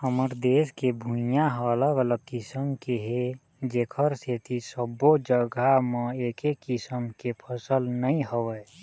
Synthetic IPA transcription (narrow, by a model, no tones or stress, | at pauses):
həməɾd̪eːskebʱũjaɦəːləɡələkɪsəmkeɦe | d͡ʒeːkʰəɾset̪ʰisəbːod͡ʒəɡamə̃eːkekːɪsəmkepʰəsəlnəĩɦəwə